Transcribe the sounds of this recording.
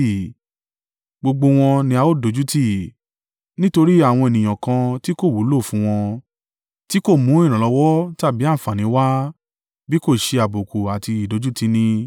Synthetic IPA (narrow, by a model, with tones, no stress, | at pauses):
ɡ͡bo˧ɡ͡bo˧w̃ɔ̃˧nĩ˧a˧o˦˨do˨˦d͡ʒu˦ti˦˨ | nĩ˦to˧ɾi˦a˦˨w̃ɔ̃˧e˨nĩ˨j̃ã˨kã˧ti˦ko˦˨wu˨˦lo˦˨fũ˨˦w̃ɔ̃˧ | ti˦ko˦˨mũ˨˦ĩ˦˨ɾ̃ã˨lɔ˧˦wɔ˦ta˦˨bi˨˦a˦˨fa˨nĩ˨˦wa˦ | bi˦ko˦˨ʃe˧a˨bo˨ko˨a˨ti˧i˨do˨˦d͡ʒu˦ti˧nĩ˧